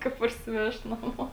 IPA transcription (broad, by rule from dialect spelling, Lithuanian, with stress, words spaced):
ˈkɐ pɐrʲsʲɪˈʋʲɛʃt nɐˈmoː